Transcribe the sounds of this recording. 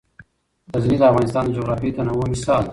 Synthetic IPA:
d̪aznid̪əafɣɑnɪst̪ɑːnd̪əd͡ʒoɣɾɑfit̪anawomɪsɑːl

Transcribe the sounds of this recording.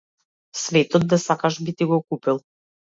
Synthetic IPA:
svɛt̪ɔd̪̚d̪asakaʃbit̪iɡɔkupilˠ

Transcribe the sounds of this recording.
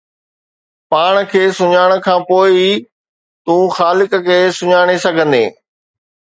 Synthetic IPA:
paːɽ̃kʰeːsʊɲaːɽ̃ə̆kʰãːpoːɪ | t̪ũːxaːlɪkkesʊɲaːɽ̃esɐɡʱə̃nd̪ḛː

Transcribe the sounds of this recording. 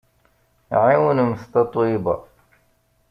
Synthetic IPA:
ʕiwnmʊst̪ɑt̪ˤwiba̰

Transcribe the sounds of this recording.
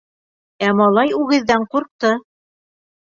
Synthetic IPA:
æmɑlˠɑjʉɡɘ̆ðːæɴquɾq̚t̪ɤ

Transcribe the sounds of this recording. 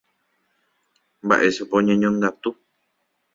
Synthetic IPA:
ba̰ʔesapoɲẽɲõŋɡat̪u

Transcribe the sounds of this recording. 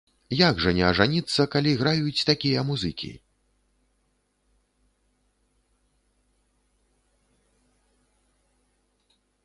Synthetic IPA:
jaɡʐɐnʲɛɐʐanʲit̪sːɐkalʲiɣɾajut͡sʲt̪akʲijɐmuzɨkʲʰḭ

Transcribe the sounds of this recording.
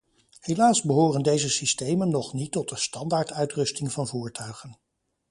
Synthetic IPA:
helaːzbəɦoːrəndejzəsistejmənːɔχnitːɔt̚dəstɑndaːɹtœɥtrɵstɪŋvɑnvuːɹtʰœɥχən

